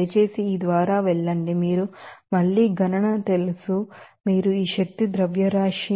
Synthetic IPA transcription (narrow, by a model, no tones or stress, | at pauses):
jɐt͡ʃe̞ːsiiːd̪ʋaːɾaːʋɛɭːɐɳɖimiːɾumɐɭːiːɡʱɐnɐɳɐt̪e̞lusumiːɾuiːʃɐk̚t̪id̪ɾɐʋjɐɾaːʂi